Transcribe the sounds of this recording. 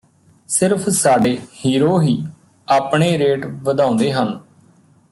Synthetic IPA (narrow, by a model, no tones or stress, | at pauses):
sɪɾpʰsaːɖeːhiːɾoːɦiː | aːpɳeːɾeːʈʋəd̪ãːʊ̃nd̪eːɦən